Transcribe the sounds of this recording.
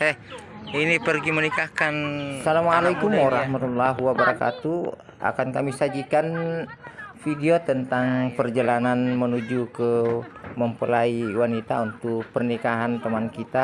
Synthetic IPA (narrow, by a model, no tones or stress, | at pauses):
ɛhinipərɡimənikahkansalamalajkumaɾahmat̪ulːaɦuwabəɾaka̰t̪u | ʔa̰kankamisad͡ʒikan | fideot̪ənt̪aŋpərd͡ʒalananmənud͡ʒukəməmpəlaiwanit̪aunt̪ʊk̚pərnikaɦant̪əmankit̪a